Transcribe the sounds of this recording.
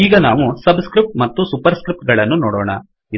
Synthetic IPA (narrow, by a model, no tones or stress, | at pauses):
iːɡɐnaːʋusɐbskɾip̚ʈmɐt̪ːusupɐɾskɾip̚ʈɡɐɭɐnːunɔːɽɔ̰ːɳɐ̰ | i